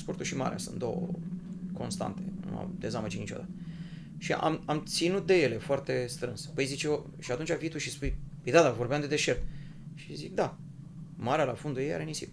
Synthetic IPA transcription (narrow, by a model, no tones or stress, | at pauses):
spo̞rt̪uʃima̰ɾḛa̰sṵnt̪̚d̪owə̰ko̞nst̪a̰nt̪e̞nṵa̰d̪e̞zamət͡ʃinit͡ʃo̞d̪a̰t̪ə | ʃiʔa̰mamt̪sinut̪̚d̪e̞je̞le̞foart̪e̞st̪ɾɨnspəjzit͡ʃeo | ʃiat̪unt͡ʃʲaviit̪uʃispujpəjd̪ad̪avo̞rbeamd̪e̞d̪e̞ʃe̞rt̪ | ʃizik̚d̪a | maɾealafond̪ujeja̰ɾenisḭp